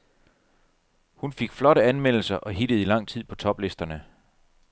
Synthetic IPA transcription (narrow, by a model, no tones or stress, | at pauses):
hunfe̝ɡ̥flɒ̽ɾəænmen̰l̩sɐʔɒ̽ɦid̥əð̩ˠilɑ̈ŋ̰t͡sʰið̞̰ˠpʰɒ̽t͡sʰɒ̽b̥le̝sd̥ɐnə